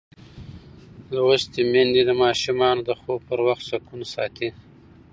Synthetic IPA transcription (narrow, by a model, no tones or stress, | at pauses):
lawust̪emend̪id̪əmɑʃumɑnod̪əxoɡ̚pəɾwaxt̪sakunasɑ̰t̪i